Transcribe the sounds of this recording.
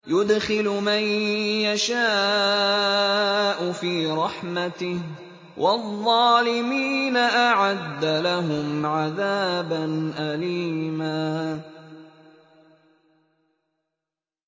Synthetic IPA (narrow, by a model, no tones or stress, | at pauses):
jʊd̪xɪlʊmajjaʃaː | ʔʊfiːɾˤɑħmat̪ɪh | wʔɑðˤːɑːlɪmiːnaʔaʕad̪ːalaɦʊmʕaðaːbanʔaliːmaː